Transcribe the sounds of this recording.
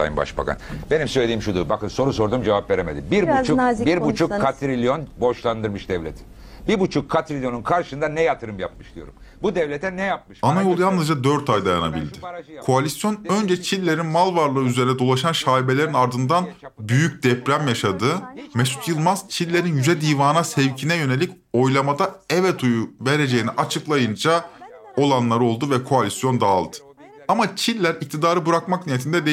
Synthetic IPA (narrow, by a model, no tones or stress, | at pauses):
a̰jɯ̰mba̰ʃba̰kʰa̰nbe̞nimsølʲeimʃud̪ubakɯnso̞ɾuso̞ɾd̪uːmd͡ʒevapve̞ɾeme̞̰d̪imbiɾbut͡ʃʰubiɾbut͡ʃʰukkʰːat̪ʰɾilʲjonbo̞ʃlˠand̪ɯɾmɯʃd̪ɛvlʲet̪ʰɪ̥ | biɾbut͡ʃʰukʰːat̪ɾilʲjo̞nunkʰaɾʃɯnd̪anɛjat̪ʰɯɾɯmjapmɯʃd̪ijo̞̰ɾum | bud̪ɛvlʲet̪ʰɛnɛjap̚mɯʃanajolˠjanːɯzd͡ʒad̪ø̞ɾt̪ʰajd̪ajanabḭlʲd̪ɪkʰoalʲisjo̞nø̞nd͡ʒɛt͡ʃʰilʲːe̞ɾinmalˠvaɾlˠɯyzeɾinɛd̪o̞lˠaʃanʃaːibe̞lʲe̞ɾinaɾd̪ɯnd̪anbyjyc̚d̪ɛpɾæmjaʃad̪ɯmɛsu̥t̪jɯlˠmaz̥t͡ʃʰilʲːe̞ɾinjyd͡ʒɛd̪ijvaːnasɛvcʰinɛjø̞ne̞lʲic | o̞jlˠamad̪aɛvɛt̪ʰujuveɾe̞d͡ʒejiniʔat͡ʃʰɯklˠajɯnd͡ʒa | o̞lˠanlˠaɾɯo̞lˠd̪uvɛkʰo̞alʲisjo̞nd̪aːlˠd̪ɯ̥ | amat͡ʃʰilʲːæɾic̚t̪ʰid̪aːɾɯbɯɾakmaknijet̪ʰind̪ɛd̪e